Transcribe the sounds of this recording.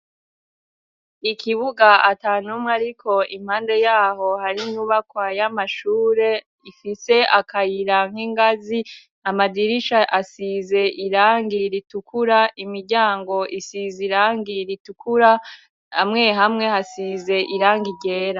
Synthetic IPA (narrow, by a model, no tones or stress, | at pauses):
ikʰiβuɡaʔataːnumŋaɾikʰo̞im̥haːnde̞jaːho̞haɾiɲuβakwajamaʃuːɾe̞ | ifise̞ʔakʰajiɾaŋ̥hiŋɡazi | amadiɾiʃaʔasize̞ʔiɾaːŋɡiɾitukʰuɾaʔimiɾɟaːŋɡo̞ʔisiziɾaːŋɡiɾitukʰuɾa | amŋe̞ɦamŋe̞hasize̞ʔiɾaːŋɡiɟe̞ːɾa